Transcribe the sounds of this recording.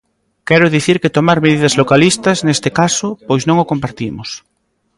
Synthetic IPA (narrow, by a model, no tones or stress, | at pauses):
kɛɾʊðiθiɾket̪omaɾmeðiðɐzlokalist̪ɐznest̪ekasʊpojsnõŋokompaɾt̪imʊs